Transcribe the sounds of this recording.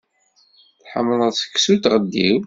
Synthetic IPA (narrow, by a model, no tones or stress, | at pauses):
θħəmːələðˤsə̥kːsut̪ʁəd̪ːḭw